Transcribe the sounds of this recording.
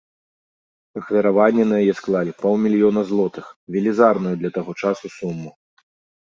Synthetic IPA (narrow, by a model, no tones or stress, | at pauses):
ɐxvʲɐɾavanʲːɛnɐjajɛsklˠalʲipɔw̪ˠmʲilʲijɔnɐzlˠɔt̪ɨxvʲɛlʲizarnujud̪lʲɐt̪aɣɔt͡ʂasusumːu